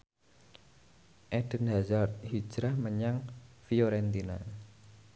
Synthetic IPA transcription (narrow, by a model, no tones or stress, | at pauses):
ʔɛɖ̥ə̤nɦazart̪̚hi̥d͡ʒɾahməɲaŋfioɾɛnt̪ina̰